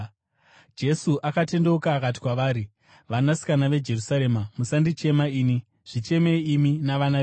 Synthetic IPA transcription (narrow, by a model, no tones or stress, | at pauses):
d͡ʒe̞suʔakate̞ndeukaːkat̬i̥kwaʋaːɾi | ʋanasi̥kanaʋe̞d͡ʒe̞rusaɾe̞mamusandit͡ʃe̞maiːni | ʐ̥it͡ʃe̞meiminaʋana